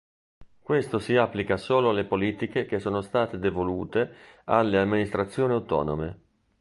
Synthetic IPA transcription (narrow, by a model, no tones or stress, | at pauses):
kwest̪osiapːlikasoːloalepoliːt̪ikekesːoːnost̪aːt̪ed̪evoluːt̪ealːeamːinist̪ɾat̪sːjoːniawt̪ɔ̰ːno̰mḛ